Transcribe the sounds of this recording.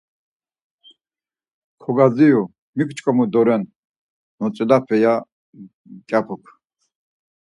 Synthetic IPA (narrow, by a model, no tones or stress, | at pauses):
kʰɔɡad͡ziju | mikʷʰt͡ʃʼkʼɔmud̪ɔɾɛn | nɔt͡sʼilapʰɛja | kʲʼapʰukʰ